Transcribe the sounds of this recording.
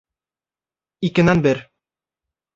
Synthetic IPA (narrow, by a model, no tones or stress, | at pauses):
ikɘ̆nænbɘɾ